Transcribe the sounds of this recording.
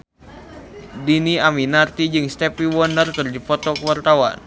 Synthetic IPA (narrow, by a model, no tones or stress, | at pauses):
diniaminart̪id͡ʒɨŋst̪ɛpiwɔnərkɨrdifɔt̪ɔkəwart̪awa̰n